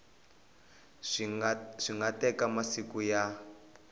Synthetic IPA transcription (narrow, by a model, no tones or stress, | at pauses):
ʂiŋɡatɛkamasikuja